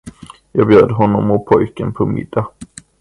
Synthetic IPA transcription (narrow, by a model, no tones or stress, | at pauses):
jɑːɡbjøːd̪əɦɔnːɔmʊt̪̚pʰɔjkənpʰɔmɪ̰d̪̥ːa